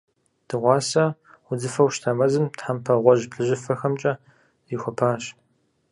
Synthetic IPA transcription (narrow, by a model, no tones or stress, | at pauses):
d̥ɨʁʷɑːsɐ | wʊd͡zɨfɐwʃtʰamɐzɨmtħampʰɐʁʷɔʒpɬɨʑɪfɐxɐmt͡ʃʼɐ | ɪxʷɔpʰaːɕ